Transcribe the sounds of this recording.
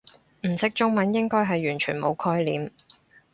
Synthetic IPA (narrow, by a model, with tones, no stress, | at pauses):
m̩˨˩sɪ˥k̚t͡ʃʊ˥ŋmɐ˨˥njɪ˥ŋkɔː˥jɦɐ˨jɥyː˨˩nt͡ʃʰyː˨˩nmo˨˧wkʰɔː˥jlḭː˨m